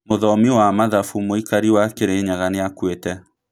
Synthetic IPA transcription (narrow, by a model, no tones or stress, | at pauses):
moðɔmiwamaðafumoikaɾiwakeɾeɲaɣaneakwetɛ